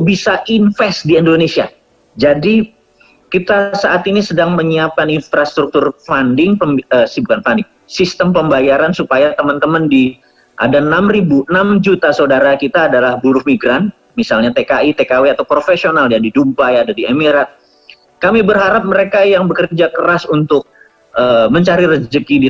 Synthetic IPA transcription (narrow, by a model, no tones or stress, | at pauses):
bisaʔinfɛsdiɛndonesia | d͡ʒadi | kit̪asaʔat̪inisədaŋməɲiap̚kaninfɾast̪ɾuk̚t̪ʊrfandɪŋpəməsibukanfandɪŋ | sist̪əmpəmbajaɾansupajat̪əmənt̪əməndi | ʔa̰danamribuənamd͡ʒut̪asaudaɾakit̪aːdalahbuɾʊhmiɡɾan | misalɲat̪ekait̪ekaweat̪awpɾofesionaljadidumpajadadiemiɾat̪̚ | kamibərɦaɾap̚məɾekajaŋbəkərd͡ʒakəɾasunt̪ʊk̚ | ʔəməɲt͡ʃaɾiɾəd͡ʒəkidi